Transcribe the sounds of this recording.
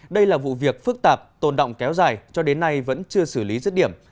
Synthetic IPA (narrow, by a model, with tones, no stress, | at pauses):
ɗə˧jlaː˨˩vṵ˧˨vi˨˩ək̚fɨ˦˥k̚t̪aː˨˩p̚t̪o˨˩nɗo̰˧˨wŋ͡mkɛ˨˦wzaː˨˩jt͡ɕɔ˧ɗe˨˦nːa˧jvə̰˧˥nt͡ɕɨ˧əsɨ˧˩li˨˦zə˦˥t̚ɗi˧˩əm